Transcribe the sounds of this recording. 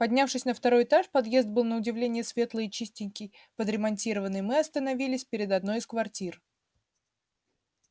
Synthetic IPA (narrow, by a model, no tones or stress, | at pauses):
pɐdʲnʲafʂɨsʲnəft̪ɐɾo̞jɪt̪aʂpɐd̪je̞zd̪̚bɨlˠnəʊdʲɪvlʲenʲɪjəsvʲe̞t̪lˠəɪt͡ɕisʲtʲɪnʲkʲɪj | pəd̪ɾʲɪmɐnʲtʲiɾəvənːɨjmɨɐst̪ənɐvʲilʲɪsʲpʲɪɾʲɪd̪ɐd̪no̞jɪskvɐrtʲir